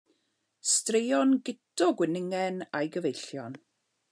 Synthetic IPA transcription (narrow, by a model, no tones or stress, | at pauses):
strejɔnɡɪdɔɡwɪnɪŋɛnajɡəvejɬjɔn